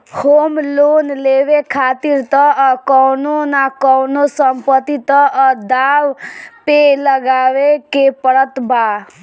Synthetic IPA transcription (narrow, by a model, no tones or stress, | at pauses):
homlonleʋekʰat̪iɾt̪ɔkɔwnonakɔwnosəmpət̪it̪ɔd̪awpeləɡaʋekepəɽət̪ba